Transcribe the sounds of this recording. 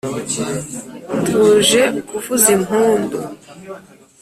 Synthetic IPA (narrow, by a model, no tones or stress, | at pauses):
tuːʒe̞uɡuvuzimɦuːndo